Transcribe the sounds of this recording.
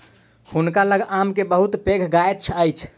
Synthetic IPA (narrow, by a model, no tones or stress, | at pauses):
hunkaləɡamkebəɦut̪peɡʰʱɡaet̪̚t͡ʃʰəjt͡ʃʰ